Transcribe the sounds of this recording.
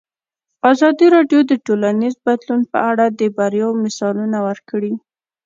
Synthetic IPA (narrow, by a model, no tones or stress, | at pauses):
azɑd̪iɾɑɖjod̪əʈolanizbad̪lunpə̰aɽad̪əbaɾjɑwmɪsɑlunawəɾkɽi